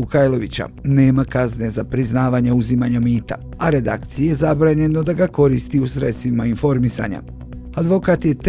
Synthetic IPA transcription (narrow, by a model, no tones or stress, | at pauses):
ukajlo̞ʋit͡ɕa̰ne̞ːmakazne̞zapɾiznaːʋaɲauzimaɲamiːt̪a̰ | aɾe̞d̪a̰kt̪sijejezabɾaːɲe̞no̞d̪aɡako̞ɾist̪iusɾet̪st̪ʋimainfo̞ɾmisa̰ːɲa̰ | ad̪ʋo̞kaːt̪je̞t̪